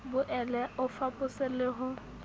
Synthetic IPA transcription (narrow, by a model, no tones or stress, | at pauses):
bʊʔɛlɛʊfapʼʊsɪlɪɦʊ